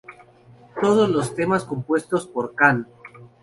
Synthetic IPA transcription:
t̪o̞ð̞ozlo̞st̪e̞masko̞mpwe̞st̪ospoɾkan

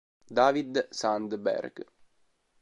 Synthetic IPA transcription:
d̪avid̪sand̪bɛ̰ɾɡ

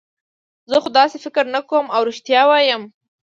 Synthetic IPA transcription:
zəxod̪ɑsefɪkɪɾnakomawɾuʃt̪jɑwɑjəm

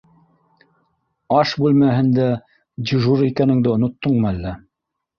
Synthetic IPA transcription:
ɑʃbʉlmæɦɘ̆nd̪æ | d͡ʑɘ̆ʒuɾikænɘ̆ŋd̪ɘŏnŏt̪ːɤɴmɤælːæ

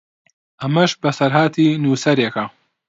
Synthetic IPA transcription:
ɐmɐʃbɐsɐɾɦaːt̪ʰinuːsɐɾjeka

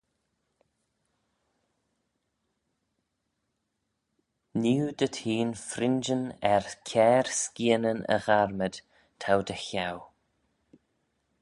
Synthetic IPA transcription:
niwd̪̥ət̪ʰiːnfɾɪnd͡ʒənɛɹkʲʰɛːɹskiənənə̰ɣaɹməd̪̥ | t̪ʰawd̪əçaw

